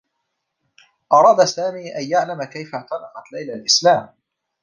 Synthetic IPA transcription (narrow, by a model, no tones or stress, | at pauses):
ʔɑɾˤɑːd̪asaːmiːʔajjaʕlamakajfaʕt̪ɑlɑqɑt̪lajlalʔɪslaːm